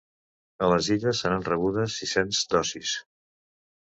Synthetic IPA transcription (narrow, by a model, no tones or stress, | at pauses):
ələziʎəsːəɾanrəβ̞uðəsːisenzd̪ɔsis